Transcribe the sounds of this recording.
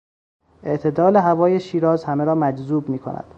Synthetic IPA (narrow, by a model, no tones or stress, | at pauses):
ʔeʔt̪ʰe̞d̪ɒːle̞ɦævɒːjeʃiːɾɒːzhæmeɾɒːmæd͡ʒzuːbmiːkʰo̰nʔæ̰d̪̥